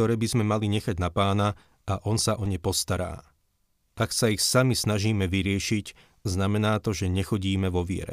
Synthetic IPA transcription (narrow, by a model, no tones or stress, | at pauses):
ɔɾɛːbizmɛmaliɲɛxaɟnapaːna | aʔɔnsaʔɔɲɛpɔst̪aɾa̰ː | ʔaksaixsamisnaʒiːmɛʋiɾɪɛʃic | znamɛnaːt̪ɔʒɛɲɛxɔɟiːmɛʋɔʋɪɛ̰ɾɛ̰